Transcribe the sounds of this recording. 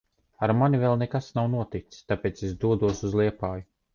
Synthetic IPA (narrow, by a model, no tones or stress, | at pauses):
aɾmanivɛlˠnɛkasnawnuɔt̪ikt̪t̪apeːt̪sɛsd̪uɔd̪uɔsuzlˠiɛpaːju